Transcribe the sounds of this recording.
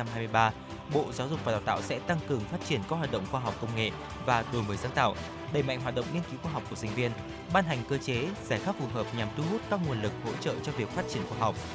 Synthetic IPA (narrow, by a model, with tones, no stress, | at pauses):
a˧mhaː˧mɨ˧jɓaː˧ | ɓo̰˧˨zaː˨˦zʊ˨˩k͡p̚vaː˨˩ɗaː˨˩wt̪a̰ː˧˨wsɛ̰˧˥t̪a˧ŋkɨ˨˩əŋfaː˦˥t̚t͡ɕi˧˩ənkaː˦˥hwaː˨˩t̚ɗə̰˧˨ŋ͡mxwaː˧ɦa˨˩wk͡p̚kə˧wŋ͡mŋḛ˧˨ | vaː˨˩ɗo˨˩jməː˨˦jzaː˨˦ŋt̪a̰ː˧˨wʔ | ɗə˧˩jma̰˧˨jŋ̟ɦa˨˩t̚ɗə̰˧˨wŋ͡mɲi˧ənki˨˦wxwaː˧˩ɦwk͡p̚ku˧˩sï˧˩ŋ̟vi˧ən | ɓaː˧nɦa˨˩jŋ̟kəː˧t͡ɕe˨˦zaː˧˩xaː˦˥k̚fu˨˩ɦəː˨˩p̚ɲa˨˩mt̪u˧ɦu˦˥t̚kaː˧˥k̚ŋu˨˩ənlɨ˨˩k̚ho̰˧˥t͡ɕə̰ː˧˨t͡ɕɔ˧vi˨˩ək̚faː˦˥t̚t͡ɕi˧˩ənxwaː˧ɦa˨˩wk͡p̚